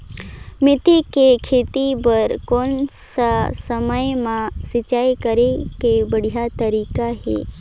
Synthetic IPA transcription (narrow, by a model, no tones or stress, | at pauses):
mɪt̪ikekʰeːt̪ibəɾkoːnsasəməjmãsɪt͡ʃaːjkəɾekebəɽ̤ijat̪əɾiːkaɦḛː